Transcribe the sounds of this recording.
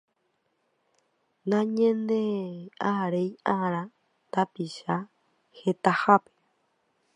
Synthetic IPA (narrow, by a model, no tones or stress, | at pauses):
nãɲẽnd̪eaɾejaɾa | t̪apiʃa | het̪ahape̥